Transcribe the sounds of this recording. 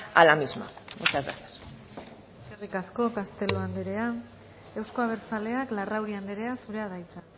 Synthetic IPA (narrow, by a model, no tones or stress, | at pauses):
a̰lamizma̰ut͡ʃazɣa̰sḁs | eske̞rikasko̞kast̪e̞loand̪eɾe̞a | e̞wsko̞aβ̞e̞ɾt͡sale̞aklarawɾiand̪eɾe̞asuɾe̞að̞ajt͡sa